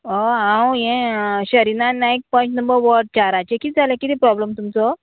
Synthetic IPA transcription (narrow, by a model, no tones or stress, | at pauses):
oɦãwjɛ̃ɕəɾinanãik̚pə̃ɲt͡ɕnəmbəɾʋəɾɖ̚t͡ɕaɾat͡ɕekiːd͡zʱalẽkit̪ipɾɔbləmt̪umt͡sɔ